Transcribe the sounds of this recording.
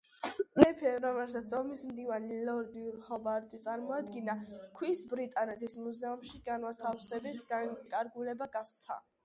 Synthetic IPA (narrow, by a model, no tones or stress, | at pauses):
ɛpʰɛɾɔmɛlˠsat̪sʰɔmismd̪ivanilɔɾd̪iuɾhɔbaɾt̪ʼit̪sʼaɾmɔad̪ɡinakʰwisbɾit̪ʼanɛt̪ʰismuzɛumʃiɡanwat̪ʰafsɛbisɡaŋkʼaɾɡulɛbaɡat̪sʰa̰